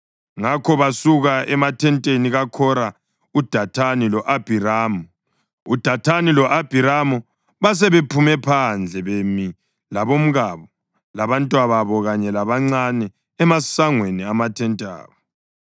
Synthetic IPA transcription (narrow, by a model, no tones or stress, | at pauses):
ŋakʰɔβasuɣaʔɛmatʰɛntʼeniɣakʰɔɾa | ud̥ʱatʰanilɔʔab̥ʱiɾaːmɔ | ud̥ʱatʰanilɔʔab̥ʱiɾamɔ | βas̬ɛβepʰumɛpʰand͡ɮʱɛβemi | laβom̩ɣaβɔ | laβantʼwaβaβɔɣaɲɛlaβaŋ͡ǀanɛː | masaŋweniamatʰɛntʼa̰ːβɔ